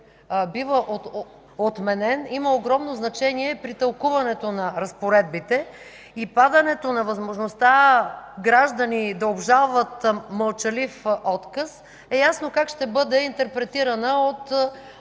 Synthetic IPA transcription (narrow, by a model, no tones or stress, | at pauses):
bivəʔo | ot̪mɛnɛniməoɡɾɔmnoznɐt͡ʃɛniɛpɾit̪ɐlˠkuvɐnɛt̪onɐɾɐspoɾɛd̪̚bit̪ɛ | ipad̪ɐnɛt̪onɐvɐzmoʒnost̪aɡɾaʒd̪ənid̪ɐobʒalˠvət̪mɐlˠt͡ʃɐlifɔt̪kəs | ɛjasnokakʃt̪ɛbɤd̪ɛint̪ɛɾpɾɛt̪iɾɐnəot̪